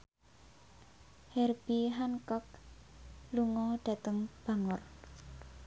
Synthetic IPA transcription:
hɛrb̥iɦankɔk̚ | luŋɔɖ̥a̤t̪əŋb̥a̤ŋʊr

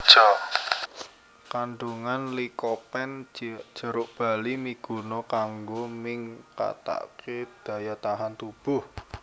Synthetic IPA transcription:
t͡ʃɔ | kaɳɖuŋanlikɔpɛnd̥d͡ʒ̥ə̤ɾʊʔb̥a̤limiɡ̥unɔkaŋɡomɪŋka̰t̪a̰ʔked̪̥ä̤jat̪aɦant̪ub̥ʊh

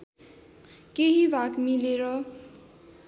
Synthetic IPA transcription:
keɦibʱakmileɾʌ

